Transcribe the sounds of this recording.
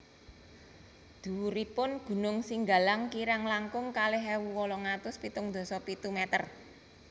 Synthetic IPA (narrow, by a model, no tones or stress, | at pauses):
d̪̥ṳuɾipʊnɡ̥ṳnʊŋsiŋɡa̤laŋkiɾaŋlaŋkʊŋkaleɦɛwuwɔlɔŋat̪ʊspit̪ʊŋd̪̥o̤sɔpit̪umɛt̪ər